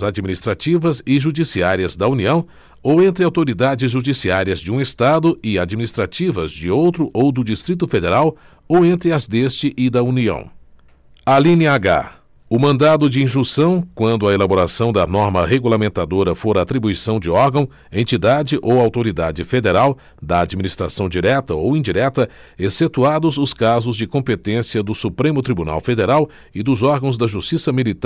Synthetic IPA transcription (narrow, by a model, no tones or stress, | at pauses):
zad͡ʒiminist̪ɾat͡ʃivɐzɪʒud͡ʒisiaɾiɐzd̪ɐuniɐ̃w̃ | owẽnt̪ɾɪawt̪oɾid̪ad͡ʒɪzʒud͡ʒisiaɾiɐzd͡ʒɪũest̪ad̪ʊɪad͡ʒminist̪ɾat͡ʃivɐzd͡ʒɪowt̪ɾʊʔowd̪ʊd͡ʒist̪ɾit̪ʊfed̪eɾaw | owẽnt̪ɾɪɐzd̪est͡ʃɪʔɪd̪ɐuniɐ̰̃w̃ | alĩniɐaɡa̰ | ʊmɐ̃nd̪ad̪ʊd͡ʒɪĩʒũsɐ̃w̃kwɐ̃nd̪ʊɐelaboɾasɐ̃w̃d̪ɐnɔɾmɐɦeɡulamẽnt̪ad̪oɾɐfoɾɐat̪ɾibuisɐ̃w̃d͡ʒɪɔɾɡɐ̃w̃ | ẽnt͡ʃid̪ad͡ʒɪʔowawt̪oɾid̪ad͡ʒɪfed̪eɾaw | d̪ɐad͡ʒiminist̪ɾasɐ̃w̃d͡ʒiɾɛt̪ɐowĩd͡ʒiɾɛt̪ɐ | eset̪uad̪ʊzʊskazʊzd͡ʒɪkõmpet̪ẽsiɐd̪ʊsupɾẽmʊt̪ɾibuna̰wfed̪eɾaw | ɪd̪ʊzɔɾɡɐ̃w̃zd̪ɐʒust͡ʃisɐmilit̪